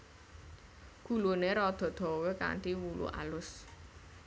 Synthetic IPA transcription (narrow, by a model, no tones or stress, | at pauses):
ɡ̥ṳluneɾɔd̪̥ɔ̤d̪̥ɔ̤weka̰nʈ̪iwulʔṵʔa̰lʊs